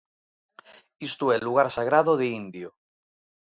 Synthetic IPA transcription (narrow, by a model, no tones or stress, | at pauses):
ist̪oelːuɣaɾsaɣ̞ɾaðoðeind̪jo